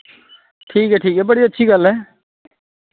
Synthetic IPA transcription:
ʈʰiːkɦɛːʈʰiːkɦɛːbəɽiətːʃʰiːɡəlɦɛː

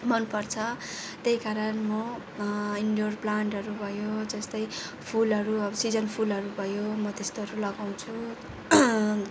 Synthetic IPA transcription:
mʌnpʌrt͡sʰʌt̪ejkaɾʌnmʌ | iɳɖorplaɳʈɦʌɾubʱʌjod͡zʌst̪ʌj | pʰulʌɾuʌbʌsid͡zʌnpʰulɦʌɾubʱʌjomʌt̪est̪oɦʌɾulʌɡaw̃t͡sʰu

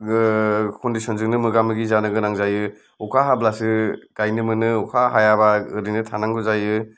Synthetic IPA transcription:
kʰɔndisɔnzɯŋnɯmɯɡamɯɡizanɯɡɯnaŋzajɯ | ukʰaɦablasɯɡ̥ajnɯmɯnɯukʰaɦajabaɯɾinɯtʰanaŋɡɔzajɯ

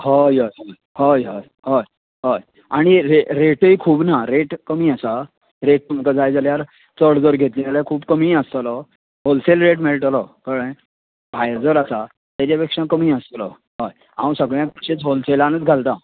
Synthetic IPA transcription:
hojɔjɦoj | hojɦɔj | ɦoj | ɦoj | aɽ̃iɾeɾeʈəjkʰuːbnaɾeʈkəmiːasa | ɾeʈ̚t̪um̤kad͡zajd͡zaljaɾ | t͡səɽd͡zəɾɡʱet̪lĩt̪aɾjakʰuːbkəmiːəst̪lɔ | ɦolselɾeʈ̬meɭʈəlɔkəɽə̃j | bʱajd͡zəɾasa | t̪jat͡ɕapekʂãkəmiːəst̪lɔ̰ | ɦɔj | ã̰wsəɡɭjãk̚pəɕet͡sɦolselañət͡sɡʱalt̪a

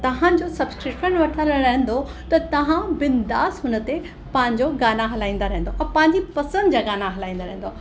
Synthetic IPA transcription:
t̪ɐɦãd͡ʑosɐbskɾɪʈənʋɐʈʰəlɾɐɦə̃n̆d̪o | t̪ɐt̪ɐʋ̤ãbɪnd̪aːsɦʊnət̪e | pɐ̃ɦɪ̃ɲd͡ʑoɡaːnaɦɐlaːĩːn̆d̪aɾɐɦẽn̆d̪oʔɐ̃pɐ̃ɦɪ̃ɲd͡ʑipɐsə̃nd̪d͡ʑaːɡaːnaɦɐlaːĩːnd̪aɾɐ̃ɦẽnd̪o

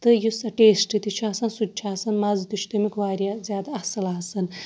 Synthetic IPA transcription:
t̪ɨjusɐʈeːsʈit̪it͡ʃʰaːsɐnsud̚ʲt͡ʃʰaːsɐnmɐzt̪it͡ʃʰt̪umikʋaːɾijazʲjaːd̪aɐsɨlaːsɨn

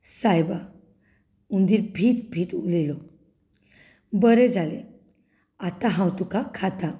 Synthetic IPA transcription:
sajba | und̪iːɾbʱiːt̪bʱiːt̪ulilɔ | bəɾed͡zalḛ | at̪ãɦãwt̪ukakʰat̪ã

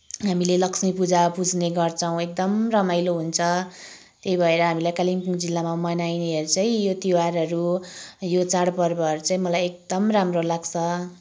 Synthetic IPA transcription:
ɦamilelʌksmipud͡zapud͡zneɡʌrt͡sʰʌw̃ek̚d̪ʌmrʌmajloɦunt͡sʰʌ | t̪eibʱʌeɾʌɦamilajkalimpuŋd͡zilːamamʌnajneɦʌɾut͡sʌĩjot̪iwarɦʌɾujot͡saɽpʌrbʌʌrut͡sʌĩmʌlajek̚d̪ʌmramrolaɡt͡sʰʌ

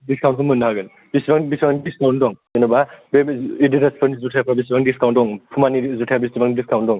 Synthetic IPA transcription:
diskʰawntkʰɔmɯnːaɦaɡɯn | bisibaŋbisbaŋnidiskawndɔŋenɔbabeidiɾaspʰɯɾnizutʰajapʰɾabisibaŋndiskʰawndɔŋpʰumanizutʰajabistibaŋidiskʰawndɔŋ

